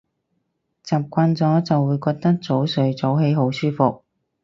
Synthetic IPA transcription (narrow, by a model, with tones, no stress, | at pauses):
t͡saː˨p̚kʷaː˧nt͡sɔː˨˥t͡sɐ˨wːuː˨˧jkɔː˧k̚t̪ɐ˥k̚t͡so˨˥wsɵ˨˧ɥt͡so˨˥whe˨˧˥jɦo˨˥wsyː˥fʊ˨k̚